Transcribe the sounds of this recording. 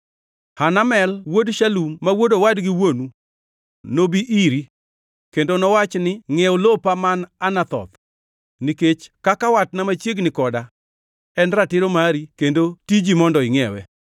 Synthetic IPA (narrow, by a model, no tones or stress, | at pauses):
hanamɛlwodʃalumːawodowadɡɪwonu | nobiʔiɾi | kendonɔwat͡ʃnɪŋɛɔlopamananat̪ɔ̰t̪ | niket͡ʃkakawatnamat͡ʃjeɡnɪkɔda | ɛnɾatɪɾomaɾikendotid͡ʒimɔndɔɪŋɛwɛ̰